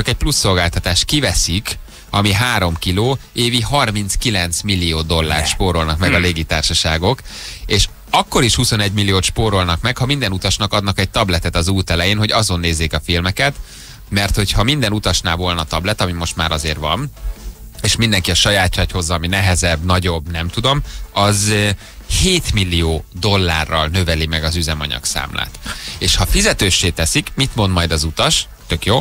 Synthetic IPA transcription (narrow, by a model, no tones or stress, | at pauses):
t͡ʃɒkɛc̚plusːo̞lɡaːlt̪ɒt̪aːʃt̪kivɛsik | ɒmiɦaːɾo̞mkiloːeːviɦɒrmint̪skilɛn̪t̪smilːijoːd̪o̞lːa̰ːrt̪ʃpoːɾo̞lnɒkmɛɡɒleːɡit̪aːrʃɒʃaːɡo̞keːʃ | ɒkːo̞ɾiʃhuso̞nɛɟmilːijoːt̪ʃpoːɾo̞lnɒkmɛkhɒmind̪ɛnut̪ɒʃnɒkɒd̪nɒkɛɟ̚t̪ɒblɛt̪ɛt̪ɒzuːt̪ɛlɛjeːnɦo̞ɟɒzo̞nːeːzːeːkɒfilmɛkɛt̪ | mɛrt̪ho̞chɒmind̪ɛnut̪ɒʃnaːvo̞lnɒt̪ɒblɛt̪ɒmimo̞ʃt̪ma̰ːɾʔɒzḛːrvɒ̰m | eːʃmind̪ɛŋkiɒʃɒjaːt̪t͡ʃɒcho̞zːɒːminɛɦɛzɛbːnɒɟo̞bːnɛmt̪ud̪o̞mɒz | heːt̪milːijoːd̪o̞lːa̰ːrːɒ̰lnøvɛlimɛɡɒzyzɛmɒ̰ɲɒ̰ksa̰ːmlʔa̰ːt̪eːʃhɒfizɛt̪øːʃːeːt̪ɛsikmit̪mo̞nd̪mɒjd̪ɒzut̪ɒʃ | t̪ø̞kjoː